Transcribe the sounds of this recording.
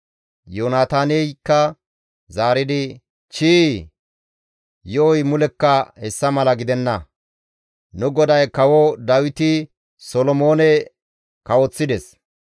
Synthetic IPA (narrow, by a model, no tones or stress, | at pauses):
joːnaːt̪aːnɛkːɐ | zaːɾɪd̪ɪ | t͡ʃiː | jɔʔɔjmʊlɛkːɐhɛsːɐmɐlɐɡɪd̪ɛnːɐ | nʊɡɔd̪ɐjkɐwɔd̪ɐwɪt̪ɪ | sɔlɔmoːnɛ | kɐwɔt͡sːɪd̪ɛs